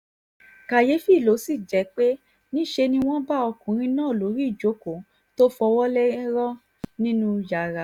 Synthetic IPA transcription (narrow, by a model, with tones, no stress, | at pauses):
ka˨je˨˦fi˦˨lo˨˦si˦˨d͡ʒɛ˨˦k͡pe˦ | nĩ˦ʃe˧nĩ˧w̃ɔ̃˦ba˦ɔ˧kũ˨˦ɾ̃ĩ˧nãː˦˨lo˨˦ɾi˦˨d͡ʒo˨˦ko˨ | to˦fɔ˧wɔ˦lɛ˦ɾɔ˦ | nĩ˦nũ˦ja˨ɾa˨